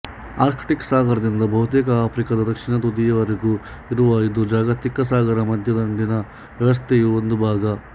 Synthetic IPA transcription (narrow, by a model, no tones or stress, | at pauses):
aːɾkʰʈiksaːɡɐɾɐd̪ind̪ɐbʱɐɦut̪eːkɐaːpʰɾikɐd̪ɐd̪ɐkʂiɳɐt̪ud̪ijɐʋɐɾeɡu | iɾuʋɐid̪ud͡ʒaːɡɐt̪ikːɐsaːɡɐɾɐmɐd̪ʱjɐd̪ɐɳɖinɐ | ʋjɐʋɐs̬t̪ʰejuond̪ubʱaːɡɐ